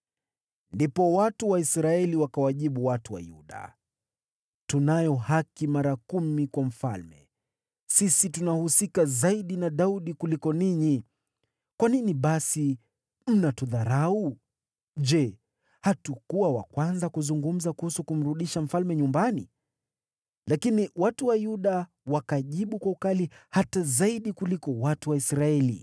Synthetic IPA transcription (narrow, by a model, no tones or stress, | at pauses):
ndipɔwatuwaisɾaɛliwakawaʄiɓuwatuwa̰jṵɗa̰ | tunajɔhakimaɾakumikwam̩fa̰lmɛ̰ | sisitunahusikazaiɗinaɗauɗikulikɔniɲi | kwaniniɓasi | m̩natuðaɾau | ʄɛ | hatukuwawa̰kwanzakuzuŋɡum̩zakuhusukum̩ɾuɗiʃam̩falmɛɲumbanḭ | lakiniwatuwajuɗa | wakaʄiɓukwaukalihatazaiɗikulikɔwatuwaisɾaɛlḭ